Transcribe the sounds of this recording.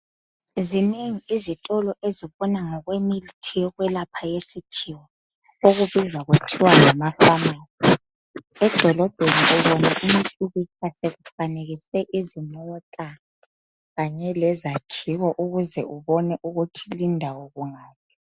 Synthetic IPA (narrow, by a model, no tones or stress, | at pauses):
zineŋiizitʼɔlɔʔeziβɔnaŋɔɣwemilitʰiɔɣwɛlapʰajesikʰiwɔ | oɣuβizaɣutʰiwalamafamiːli | ɛd̥ʱɔlɔb̥ʱeniʔɛβɔnaʔumitʼuɣit͡ʃʰaseɣufaneɣiswɛʔizimɔtʼa | ɣaɲɛlɛzakʰiɣɔʔuɣuzɛ̰uβɔnɛʔuɣutʰilindʱawɔɣuŋaːpʰi̥